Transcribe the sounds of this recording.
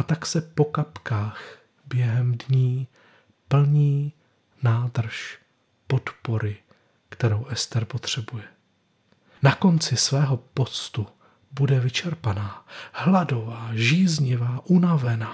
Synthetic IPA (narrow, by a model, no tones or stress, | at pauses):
at̪aksɛpo̞kapkaːx | bjɛɦɛmdɲiː | pl̩ɲiː | naːd̪r̩ʃ | po̞t̪po̞ɾɪ | kt̪ɛɾowʔɛst̪ɛɾpo̞t̪r̝̥ɛbujɛ | nako̞nt͡sɪsvɛːɦo̞po̞t͡st̪u | budɛvɪt͡ʃɛɾpanaːhlado̞vaːʒiːzɲɪvaːʔunavɛnaː